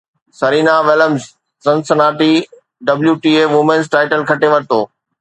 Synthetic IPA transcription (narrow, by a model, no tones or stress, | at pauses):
sɐɾiːnaʋɪləmz | sɐ̃nsɐnaːʈi | ɖɐbljuʈiːeːʋʊmẽnzʈaːɪʈəlkʰɐʈeʋɐɾɪt̪oː